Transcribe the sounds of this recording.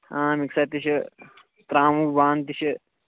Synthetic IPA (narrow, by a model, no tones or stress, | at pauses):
amiksat̪iɕɐ | t̪ɾaːmubaːnt̪iɕɐ